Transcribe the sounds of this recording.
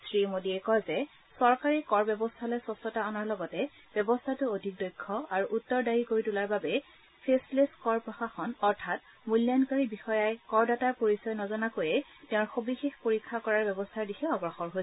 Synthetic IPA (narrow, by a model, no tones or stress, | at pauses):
sɹimodiɛkɔjzɛ | sɔɹkaɹikɔɹbɛbɔstʰalɔjsɔstɔtaɔnaɹlɔɡɔtɛ | b̥jɛbɔstʰatʊodʱik̚dɔjkʰːɔaɹuʔutːɔɹdajikoɹitulaɹbabɛ | pʰespleskɔɹpɹɔxaxɔnɔɹtʰat̚ | muljankaɹibixɔjajkɔɹdataɹpoɹisɔjnɔzɔnakojɛtɛʊ̃ɹxobixexpoɹikʰːakɔɹaɹbɛbɔstʰaɹdixʰɛɔɡɹɔxɔɹɦojsɛ